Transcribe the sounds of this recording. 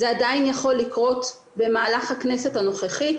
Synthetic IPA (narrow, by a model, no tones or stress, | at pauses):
zeadainjaχo̞lːikʁo̞t | be̞maːlaχhaknese̞thano̞χeχi